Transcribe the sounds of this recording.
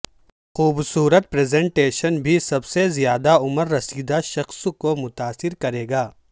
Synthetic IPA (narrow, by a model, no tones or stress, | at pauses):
xuːbsuːɾət̪̚pɾeːzẽːɳʈeːʃənbʱisɐbsezijaːd̪aʊməɾːɐsiːd̪aʃɐxskomʊt̪aːsɪɾkɐɾeːɡaː